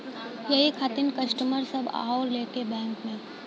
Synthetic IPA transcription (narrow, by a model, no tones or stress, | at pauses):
jɐɦikʰaːt̪ɪnkɐsʈəməɾsɐba̰ːɦoːɾleːkebɛ̃ːŋkmẽ